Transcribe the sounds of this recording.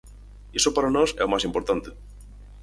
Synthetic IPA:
esopaɾanoseomasimpoɾt̪ant̪e

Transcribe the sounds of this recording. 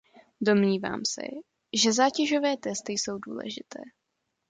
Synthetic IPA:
do̞mɲiːva̰ːmsɛ̰ | ʒɛzaːcɛʒo̞vɛːt̪ɛst̪ɪjso̞wdṵːlɛ̰ʒɪt̪ʰɛː

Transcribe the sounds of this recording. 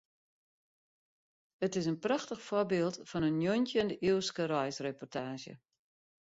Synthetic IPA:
ətɪs̬ənpraxtəxfobeːlˠtfɔnənːjontjəndəʔiskərɔjsrepɔrtʰaːʃjə̰

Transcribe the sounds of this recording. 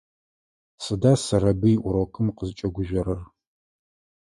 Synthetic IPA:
sɨdaːsɐɾɐbɨjɪʔʷʊɾokʰɨmqəzɨt͡ʃʼɐɡʷʊʒɐɾɐr

